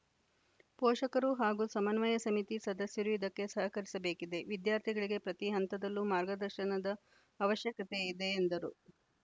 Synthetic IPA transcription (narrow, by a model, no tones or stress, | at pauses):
pɔːʂɐkɐɾuɦaːɡuːsɐmɐnʋɐjɐsɐmit̪isɐd̪ɐsjɐɾujid̪ɐkːe̞sɐɦɐkɐɾisɐbeːkid̪e̞ʋid̪jaːɾt̪ʰiɡɐɭiɡe̞pɾɐt̪iɦɐnt̪ɐd̪ɐlːumaːɾɡɐd̪ɐɾʃɐnɐd̪ɐː | ʋɐʃjɐkɐt̪e̞id̪e̞ːnd̪ɐɾu